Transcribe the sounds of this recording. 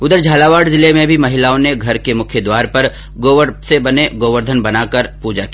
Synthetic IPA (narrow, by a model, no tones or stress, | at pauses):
ʊd̪əɾd͡ʒʱaːlaːʋaːɖzɪlemẽbʱimɐɦɪlaːõneɡʱɐɾkemʊkʰjəd̪waːɾpɐɾ | ɡoːʋəɾsebɐneɡoːʋəɾd̪ʱənbɐnaːkɐɾpuːd͡ʒaki